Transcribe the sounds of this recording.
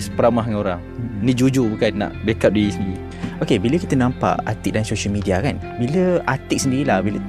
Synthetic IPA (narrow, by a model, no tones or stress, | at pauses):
sə̥pəɾamaɦŋaoɾaŋnid͡ʒud͡ʒubəkana̰ʔbekap̚diːsi | okebiləkit̪ənãmpa̰ʔa̰t̪ikʔ̚dansoʃəlmidiakan | biləat̪ik̚səndiɾilahbilə